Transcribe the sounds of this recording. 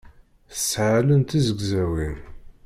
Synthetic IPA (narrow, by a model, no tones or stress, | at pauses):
θəsːʕalənt̪izəɡzæwin